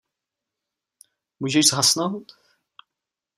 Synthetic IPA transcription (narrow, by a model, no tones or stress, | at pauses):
muʒɛʒzɦasnowt̪